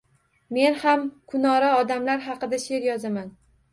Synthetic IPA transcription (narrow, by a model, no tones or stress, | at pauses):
me̞nhamkʰʊnɒɾaɒd̪amlaɾɦɑqɨd̪aʃe̞ɾjɒzaman